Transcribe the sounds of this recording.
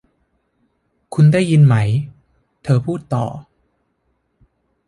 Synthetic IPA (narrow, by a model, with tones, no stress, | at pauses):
kʰu˧ndaː˥˩jːi˧nma˦˥j | t̪ʰɤː˧pʰuː˥˩t̪ːɔ̰ː˨˩